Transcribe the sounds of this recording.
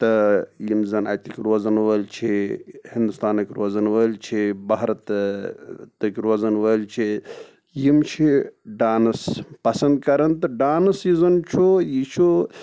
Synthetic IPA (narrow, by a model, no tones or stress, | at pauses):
t̪ɐjimzɐna̰jt̪ikʲiɾoːzɐnʋɐlt͡ʃʰihind̪ust̪aːnɐkʲiɾoːzɐnʋɐlt͡ʃʰibɐɦɾɐt̪ | t̪ɐkiɾoːzɐnʋɐlt͡ʃʰi | jimt͡ʃʰiɖaːnɐspɐsɐnd̪̚kɐɾɐnt̪ɐɖaːnɐsizɐnt͡ʃʰujit͡ʃʰu